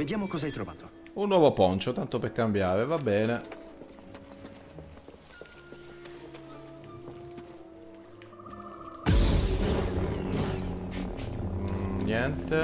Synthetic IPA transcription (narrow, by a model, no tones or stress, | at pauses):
ved̪jaːmokɔːzaajt̪ɾova̰ːt̪o | unːwɔːvopɔnt͡ʃot̪ant̪operkambjaːɾevabːɛːne | njɛnt̪e